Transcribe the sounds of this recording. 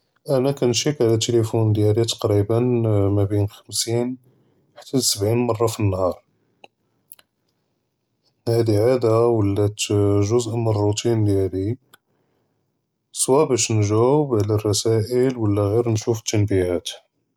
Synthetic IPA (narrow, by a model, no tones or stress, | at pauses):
ʔænækænʃikʕlæt̪ːelifund̪jælit̪ˤɑ̥qɾibənmæbinxəmsin | ħḁt̪ːæsəbʕinmɑrˤːɑfinːhɑɾˤ | hæd̪iʕad̪awəlːæt̪ʒʊzʔmənrˤut̪ind̪jæli | swæbæʃnʒæwəbʕlærˤːɑsæʔəlwəlːæɣiɾnʃufət̪ːənbihæt̪